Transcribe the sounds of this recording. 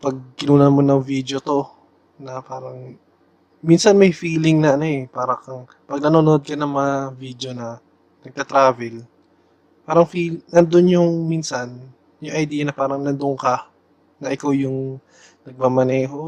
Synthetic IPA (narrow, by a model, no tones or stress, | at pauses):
pɐɡ̚kɪnuːnɐnmonɐŋviːd̪jo̞t̪o̞ | nɐpaːɾɐŋ | minsɐnmɐjfiːlɪŋnɐʔɐno̞ɛpaːɾɐkɐŋ | pɐɡ̚nɐnonoʔod̪̚kɐnɐŋmɐŋaviːd̪jo̞nɐ | nɐɡ̚t̪ɐt̪ɾaːvɛl | paːɾɐŋfilnɐnd̪onjʊŋminsɐn | jʊŋʔɐjd̪iːjɐnɐpaːɾɐŋnɐnd̪ʊŋkɐ | nɐʔɪkawjʊŋ | nɐɡ̚mamɐnɛːɦo̞